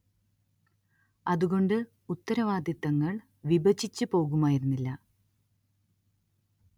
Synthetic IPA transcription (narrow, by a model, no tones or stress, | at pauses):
ɐðuɣo̞ɳɖɨ | ut̪ːɐɾɐʋaːd̪jɐt̪ːɐŋːɐɭ | ʋibɐt͡ɕʰːit͡ɕːɨpo̞ːɣumaːjiɾunːilːɐ